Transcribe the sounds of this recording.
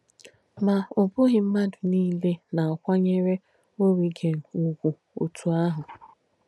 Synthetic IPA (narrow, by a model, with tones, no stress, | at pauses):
ma˨ʊ˨bʊ˦ɦɪ˨m̩˦ma˦dʊ˨niː˦le˦na˨a˨kʷa˦ɲe˦ɾe˦ | o˦ɾi˨ɡe˨n̩˨u˨ɡʷu˨ | o̰˨tʰu˨a˦ɦʊ˨